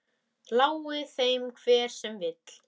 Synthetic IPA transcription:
lawɪθejmkʰv̥ɛːɾ̥sɛmvɪt̪l̥

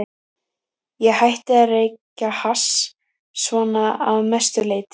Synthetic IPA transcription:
jɛɣhajht̪ɪarejcahas | svɔːnaa̰vmɛst̪ʏleːjt̪ɪ̥

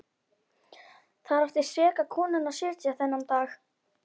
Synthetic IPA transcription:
θaðɾaft̪ɪ̥svɛːkakʰɔːnʏnaðsɪɾt̪jaθɛnːamt̪aːx

